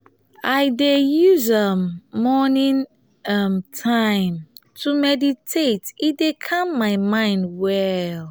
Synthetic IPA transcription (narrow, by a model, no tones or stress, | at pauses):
aɪdejuzʌmːɔnĩn | ʌmtʰãɪ̃mtʰumɛditʰetidekʰãmːaɪmãɪ̃ndwɛl